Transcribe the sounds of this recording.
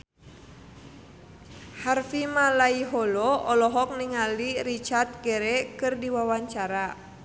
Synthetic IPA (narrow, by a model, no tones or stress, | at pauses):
harfimalaiɦɔlɔɔlɔɦɔk̚niŋalirit͡ʃart̪̚ɡɛɾɛkɨrdiwawaɲt͡ʃaɾa